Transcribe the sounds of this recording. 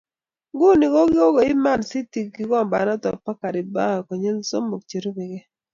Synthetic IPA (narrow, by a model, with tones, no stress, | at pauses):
ɡu˦ni˨ko˦ɡɪ˦o˦ɡo˨ɪ˦ma˦˨nsi˦ti˨k̚ɡi˦kɔ˦mba̰˨nɔ˦tɔ˨pa˦ka˨ɾɪ˨ba˦a˨kɔ˨ɲe˦lso˦mo˨k̚t͡ʃe˨ɾo˦be˨ɡe˦